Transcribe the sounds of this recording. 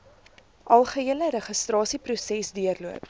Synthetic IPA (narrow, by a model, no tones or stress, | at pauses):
ʔɐlˠχəiələɾəχəstrɑːsiprusɛsdiərluəp̚